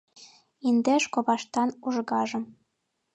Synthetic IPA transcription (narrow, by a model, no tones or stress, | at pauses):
ind̪eʃkoβɑʃt̪ɑnuʒɣɑʒɤ̆m